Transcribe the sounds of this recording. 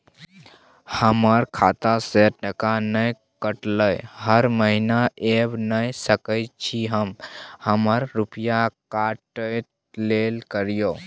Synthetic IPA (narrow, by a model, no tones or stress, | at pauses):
həməɾkʰat̪aseəkanəj | kəʈləjhəɾməɦinaʔebnəjsəkəɪt̪t͡ʃʰiɦəmhəməɾːupjakaʈəjt̪ | lelkəɾijo